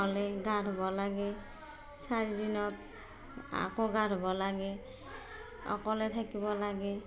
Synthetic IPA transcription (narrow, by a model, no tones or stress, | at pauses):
ɔlɛɡadʱɔbɔlaɡɛ | saɹidinɔt | a̰koɡadɔbɔlaɡɛ | ɔ̰kɔlɛtʰakibɔlaɡɛ